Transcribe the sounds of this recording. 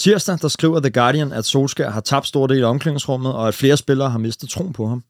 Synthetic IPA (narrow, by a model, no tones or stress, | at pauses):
t͡sʰiɐ̰sd̥æd̥ɑ̈sɡ̥ʁḭːʊɐðeɡ̥ɑ̈ːɾiənæd̥so̝ːlsɡ̥æɦɑ̈t͡sʰɑ̈b̥d̥sd̥o̝ɐ̰de̝̰ːlæɒ̽mkleŋ̰ŋ̩sʁɔ̽m̰ð̞̩ˠɒ̽æd̥fle̝ːɐsb̥e̝lɐːɦɑ̈me̝sd̥ð̩ˠt͡sʰʁo̝̰ːnpʰɒ̽ɦɑ̈m